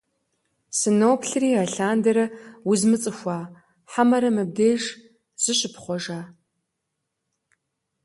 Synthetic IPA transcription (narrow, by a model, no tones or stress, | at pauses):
sɨnoːpʰɬɨriːaɬaːndɐɾɐwʊzmɨt͡sʼɨxʷɑː | ħamɐɾɐmɨb̚deːʒ | z̥ɨɕɪpχʷɔʒaː